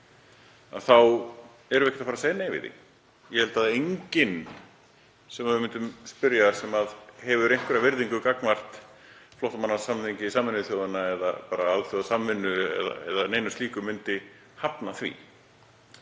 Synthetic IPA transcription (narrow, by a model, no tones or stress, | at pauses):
a̰ðθaw | ɛɾʏɛhcɪ̥t̪afːɾaseːjneːjvɪ̰ðɪ̰ | jɛhɛlt̪aðejɲcɪn | sɛmaðvɪmɪnt̪ʏmspʏɾjasɛmaðhɛvʏɾejŋkvɪɾavɪɾðiŋkʏkaknvar̥t̪flɔht̪amanːḁsamθiɲcɪsaːmɪnːʏθjowðanːaɛða̰paːɾaalθjowðasamːɪnːʏɛ̰ða̰ɛ̰ðaneːjnʏst̪iːkʏmʏnt̪ɪ | hapnaθvḭ